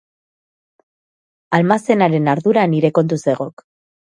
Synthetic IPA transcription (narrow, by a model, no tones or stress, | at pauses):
almase̞naɾe̞naɾðuɾaniɾe̞ko̞nt̪̬use̞ɣ̞o̞k